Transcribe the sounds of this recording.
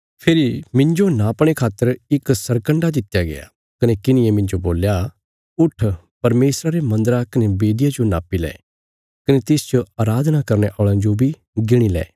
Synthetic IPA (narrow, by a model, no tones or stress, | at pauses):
pʰeɾimɪ̃ɲd͡ʒonaɐpɽ̃ekʰaːt̪ːəɾɪksɐɾkə̃ɳɖad̪ɪt̪ːjaɡḛja̰ | kɐnekɪnɪ̃emɪ̃ɲd͡ʒoboːlja | ʊʈʰ | pɐɾmeːsɾaɾemɐ̃nd̪əɾakɐnebeːd̪ɪjad͡ʒonaːpːilɛ̰ː | kɐnet̪ɪst͡ʃoaːɾaːd̪ʱnakɐɾñeʔɔːɭãd͡ʒobʱi | ɡɪɽ̃ilɛ̰ː